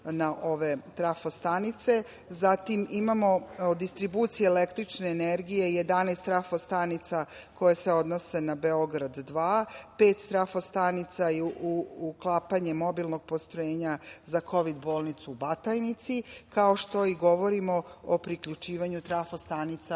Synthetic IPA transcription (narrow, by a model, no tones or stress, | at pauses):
naʔo̞ʋe̞t̪ɾafost̪anit̪se̞ | zat̪imimamo̞d̪ist̪ɾibuːt̪sijeːlekt̪ɾit͡ʃneːneɾɡije̞jed̪anest̪ɾafost̪anit̪sako̞jeseod̪no̞se̞nabe̞oɡɾad̪ːʋaːpeːt̪st̪ɾafost̪anit̪saiuklˠaːpaɲemo̞bilˠno̞ɡ̥̚post̪ɾojeːɲazakʰo̞ʋid̪boːlˠnit̪suːbat̪ajnit̪sikao̞ʃt̪o̞iɡo̞ʋo̞ɾimo̞opɾikʎut͡ʃiːʋaɲut̪ɾafost̪anit̪sa